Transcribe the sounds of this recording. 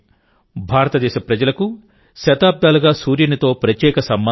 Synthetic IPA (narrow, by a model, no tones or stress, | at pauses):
bʱaːɾɐt̪ɐd̪ɛːʃɐpɾɐd͡ʒɐlɐku | ʃɐt̪aːb̚d̪aːluɡaːsuːɾjɐnit̪o̞ːpɾɐt̪jɛːkɐsɐmbɐ